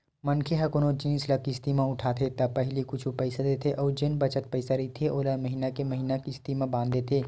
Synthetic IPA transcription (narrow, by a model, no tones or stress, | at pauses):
mɐnkʰeɦɐ̃konod͡ʒɪnisləkist̪imãʊʈʰaːt̪ʰet̪ɐpɐɦlikʊt͡ʃʰupɐɪsad̪eːt̪ʰeʔɔːɾd͡ʒenbɐt͡ʃət̪̚pɐɪsaɾɐit̪ʰeʔoːlaməɦinakemɐɦinakist̪imãbãːnd̪eːt̪ʰeː